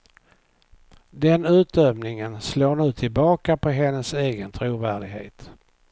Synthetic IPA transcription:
d̪ɛnʉ̟ːt̪̚d̪øvnɪŋənsloːɳʉ̟ːt̪ʰɪlbɑːkapʰɔɦɛnːəseːɡənt̪ʰɾuːvæːɖɪɡɦḛːt̪

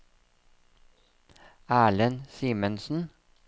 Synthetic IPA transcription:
æːɭənsiːmənsn̩

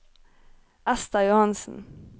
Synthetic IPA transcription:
ʔæst̪ɑjʊhɑnsn̩

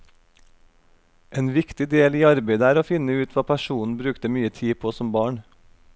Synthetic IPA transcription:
ʔeːnʋɪkt̪ɪd̪eːliːɑɾbeɪd̪əæːɾoːfɪnəʉːt̪ʰʋɑːpʰæʃuːn̩bɾʉːkt̪əmyːət̪ʰiːpʰoːsɔmbɑːɳ

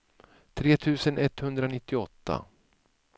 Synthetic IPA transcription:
t̪ʰɾeːt̪ʰʉ̟ːsənɛt̪ːhɵnd̪ɾanɪt̪ːɪɔt̪ːa̰

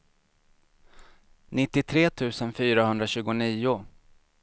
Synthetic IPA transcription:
nɪt̪ːɪt̪ʰɾeːt̪ʰʉ̟ːsənfyːɾaɦɵnd̪ɾaɕʉ̟ːɡʊniːʊ

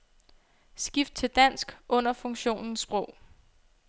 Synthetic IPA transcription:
sɡ̥ifd̥̚t͡sʰe̝ld̥æn̰sɡ̥ʔɔ̽n̰ɐfɔ̽ŋɕo̝̰ːnn̩sb̥ʁɔʊ̰

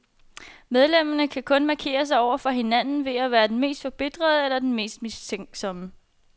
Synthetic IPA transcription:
með̞ˠlem̰ɐnəkʰækʰɔ̽nmɑ̈kʰe̝̰ːɐs̬ɑ̈ɪɒʊ̰ɐfɒ̽ɦe̝nænn̩ʋe̝æʋæːɐd̥enme̝̰ːsd̥fɒ̽b̥e̝d̥ʁɐð̞ˠelɐd̥enme̝̰ːsd̥mist͡sʰeŋ̰ɡ̥sɒ̽mə

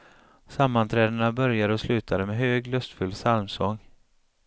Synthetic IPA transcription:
samːant̪ʰɾɛːd̪əɳabœɾjad̪əɔslʉ̟ːt̪ʰad̪əmɛɦøːɡlɵst̪fɵlːsalmsɔŋː

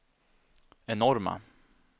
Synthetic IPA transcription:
ɛnɔɾma̰

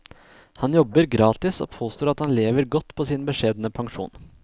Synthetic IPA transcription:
hɑnjɔbəɾɡɾɑːt̪ɪso̰ːpʰoːst̪oːɾɑt̪hɑnleːʋəɾɡɔt̪ːpʰoːsɪːnbəʂeːd̪nəpʰɑŋʂṵːn

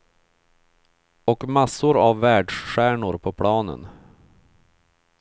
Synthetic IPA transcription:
ɔkmasːʊɾavːæːɖʂɧæːɳʊɾpʰɔpʰlɑːnə̰n

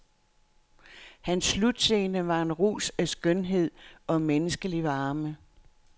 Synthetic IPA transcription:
hænsːlud̥se̝ːnəʋɑ̈e̝nʁṵːsæsɡ̥œnɦe̝ð̞̰ˠɒ̽menəsɡ̥əliʋɑ̈ːmə

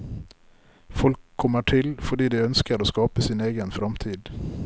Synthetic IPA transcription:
fɔlkʰːɔmːəʈʰɪlfɔɖiːd̪ɛœnskəɾoːskɑːpəsiːneːɡənfɾɑmt̪ʰiːd̪

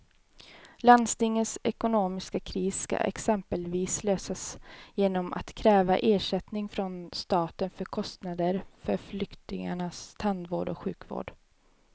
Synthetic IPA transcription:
land̪st̪ɪŋːənsɛkʊnoːmɪskakʰɾiːska̰ʔɛ̰ksɛmpəlviːsløːsasjeːnɔmʔa̰t̪kʰɾɛːvaʔeːʂɛt̪nɪŋfɾɔnst̪ɑːt̪ənfœɾkʰɔst̪nad̪əɾfœɾflʏkt̪ɪŋa̰ɳast̪ʰand̪voːɖɔ̰ɧʉ̟ːkvo̰ːɖ̥

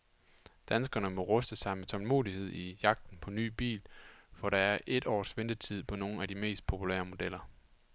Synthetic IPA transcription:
d̥ænsɡ̥ɐnəmɒ̽ʁœsd̥əsɑ̈ɪmet͡sʰɒ̽lmo̝̰ːðˠihe̝ð̞̰ˠijɑ̈ɡ̥̚d̥n̩pʰɒ̽ny̰ːb̥ḭːlfɒɾ̥ɑ̈æɐʔe̝d̥ɒ̰ːsʋend̥ət͡sʰið̞̰ˠpʰɒ̽no̝ːn̩æd̥ime̝̰ːsd̥̚pʰo̝pʰulḛːɐmo̝d̥el̰ɐ

